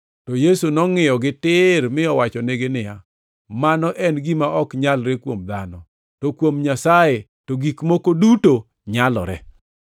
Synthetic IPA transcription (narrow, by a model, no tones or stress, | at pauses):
tɔjesunɔŋɪjɔɡɪtɪɾmɪɔwat͡ʃɔneɡenɪja | manɔʔɛnɡimaɔkɲalɾekwomd̪a̰nɔ̰ | tokwomɲasaje | toɡikmokoduto | ɲalɔ̰ɾɛ̰